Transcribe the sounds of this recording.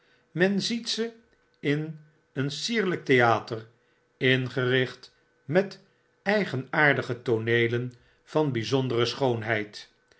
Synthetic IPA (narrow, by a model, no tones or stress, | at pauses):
mɛnzitsə | ɪn | ənsiːɹlək̚tejaːtər | ɪnχərɪχt | mɛt | ɛjχənaːɹdəχətonejlən | v̥ɑnbizɔndərəsχownɦɛjt